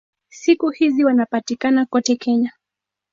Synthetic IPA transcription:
sikuhiziwanapatikanakɔtɛkɛɲa

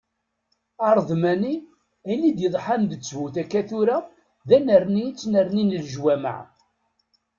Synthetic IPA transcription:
ɑɾˤðˤmæni | ænid̪jəðˤħand̪ət͡sːvuθækːæθuɾæ | ðænəɾnit͡sːnəɾninəlʒwæmə̰ʕ

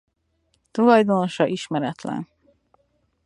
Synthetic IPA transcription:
t̪ulɒjd̪ono̞ʃɒʔiʃmɛɾɛt̪lɛ̰n

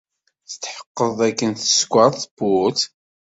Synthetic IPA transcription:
θət̪ħə̥qːəðˤækːənθə̥skʷːɑðˤθbut̪

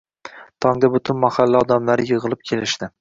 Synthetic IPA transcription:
t̪ʰɒŋd̪abʊt̪ʰʊnmahalːaɒd̪amlaɾɪjɨʁɨlˠɪp̚kʲʰe̞lɪʃd̪ɪ

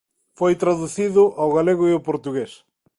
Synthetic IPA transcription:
fojt̪ɾaðuθiðʊʔawɣaleɣʊiʊpoɾt̪uɣes

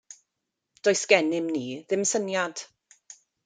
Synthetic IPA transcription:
d̥oɨsɡ̥ɛnɪmniːðɪmsənjad̥

